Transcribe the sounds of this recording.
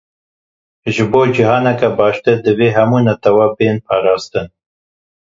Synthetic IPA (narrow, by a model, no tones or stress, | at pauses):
ʒɨboːd͡ʒiɦɑːnɛkɛbɑːʃt̪ed̪ɨveːɦæmunɐt̪ɐwabeːnpʰɑːɾɑːst̪ɨn